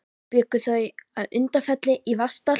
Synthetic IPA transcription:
pʏːkʏθœɥaðʏnt̪afɛt̪lɪʔivast̪̚pa

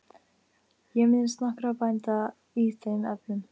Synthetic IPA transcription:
jɛmɪnst̪nahkɾapajnt̪a | it̪ʰenɛplʏn

